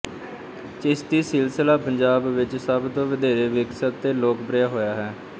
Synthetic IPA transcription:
t͡ʃɪst̪iːsɪlsəlaːpəɲd͡ʒaːbʋɪt͡ʃsəbt̪õːʋəd̪ʱeːɾeːʋɪksət̪ːeːloːkpɾɪjaːɦoːjaːɦɛː

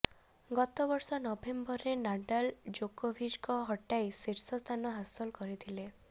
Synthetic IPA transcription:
ɡɔt̪ɔbɔɾsɔnɔbembɔɾenaɖald͡ʒokobʱiʃkɔɦɔʈajsiɾsɔst̪ʰanɔɦasɔlkɔɾit̪ʰile

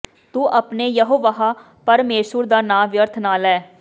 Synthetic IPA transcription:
t̪uːʔəpneːjəɦoːʋaɦaː | pəɾmeːʃʊɾd̪aːnãːʋjəɾt̪ʰnaːlɛː

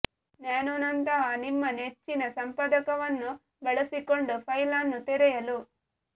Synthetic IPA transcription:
neːnunɐnt̪ɐɦɐnimːɐnet͡ʃːinɐsɐmpɐd̪ɐkɐʋɐnːu | bɛɭɐsiko̞ɳɖupʰɐjlanːut̪iɾɛjɐlu

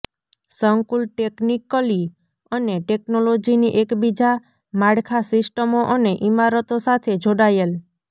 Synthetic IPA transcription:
səŋkulʈeknikːəli | əneʈeknolod͡ʒiniʔekbid͡ʒa | maɽkʰasisʈəmoʔəneʔimaɾət̪osat̪ʰed͡ʒʱoɽajel

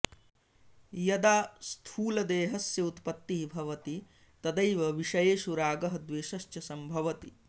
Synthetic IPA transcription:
jɐd̪aːst̪ʰuːlɐd̪eːɦɐsjɐut̪pɐt̪ːiɦibʱɐʋɐt̪i | t̪ɐd̪ɐjʋɐʋiʃɐjeːʃuɾaːɡɐɦɐd̪ʋeːʃɐʃt͡ʃɐsɐmbʱɐʋɐt̪i

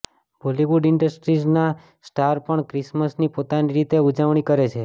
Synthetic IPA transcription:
bʱoliʋuɖɪɳɖəsʈɾid͡ʒna | sʈaɾpəɳkɾisməsnipot̪aniɾit̪eud͡ʒəʋɳ̃ikəɾet͡ʃʰe

